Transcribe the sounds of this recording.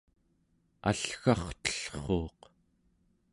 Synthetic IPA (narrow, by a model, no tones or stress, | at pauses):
a̰ɬxɑχt̪ə̥ɬχoːq